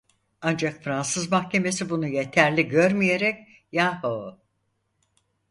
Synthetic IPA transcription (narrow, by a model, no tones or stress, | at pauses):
and͡ʒakfɾansɯzmahce̞me̞sibunuje̞t̪ʰæɾlʲiɟø̞ɾmije̞ɾɛc | jaːho